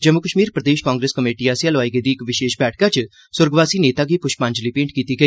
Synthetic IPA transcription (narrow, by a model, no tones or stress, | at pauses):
d͡ʒəmʊkəʃmiːɾpɾəd̪eːʃkãːŋɡɾeːskəmeːʈiːaːsjaːlɔaːiɡeːd̪iːɪkʋɪʃeːʃbɛːʈ̚ʰkaːt͡ʃ | sʊɾɡʋaːsiːneːt̪aːɡiːpʊʃpãɲd͡ʒliːpẽːɳʈkiːt̪iːɡəiː